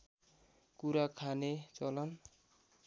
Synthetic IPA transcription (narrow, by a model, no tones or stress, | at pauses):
kuɾakʰanet͡sʌlʌn